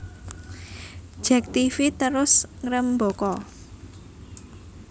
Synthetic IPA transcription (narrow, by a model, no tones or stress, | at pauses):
ʒ̥ɛk̚t̪ifit̪əɾʊsŋɾəmbokɔ